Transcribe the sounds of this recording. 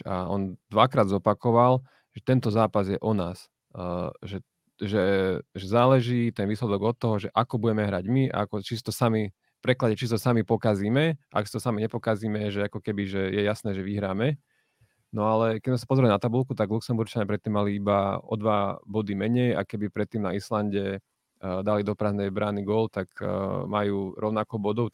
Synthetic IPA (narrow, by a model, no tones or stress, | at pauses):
a̰ɔ̰nd̪ʋakɾaːd̪zɔpakɔʋal | ʒ̥ɛt̪ɛnt̪ɔzaːpazjɛʔɔnaːs | ʒɛ | ʒɛʒɛzaːlɛʒiːt̪ɛnʋiːslɛd̪ɔɡɔt̪ːɔɦɔʒɛʔakɔbuɟɛmɛɦɾaɟmia̰akɔt͡ʃisi̥t̪ɔsami | pɾɛklaɟɛt͡ʃisit̪ɔsamipɔkaziːmɛʔa̰ksit̪ɔsamiɲɛpɔkaziːmɛʒɛakɔkɛbiʒɛjɛjasnɛːʒɛʋiɦɾaːmɛ | nɔalɛkɛnas̬apɔzɾɛmɛnat̪abulˠkut̪aɡluksɛmbuɾt͡ʃaɲapɾɛt̪ːiːmːaliibaɔ̰d̪ʋabɔd̪imɛɲɛja̰kɛbipɾɛt̪ːiːmnaislanɟɛ | d̪alid̪ɔpɾaznɛjbɾaniɡʊɔlt̪akmajuːɾɔʊnakɔʊbɔd̪ɔʊ